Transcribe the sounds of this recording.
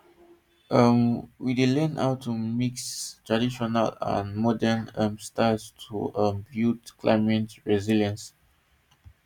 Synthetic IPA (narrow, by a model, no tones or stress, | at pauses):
ʔəmwidelɛ̃na̰wtʰːumikstɹadiʃɔnəlã̰nmɔdənə̃mstastʰṵʔə̃mbjutkʰla̰ɪmɛ̃ntɹɛziljə̃ns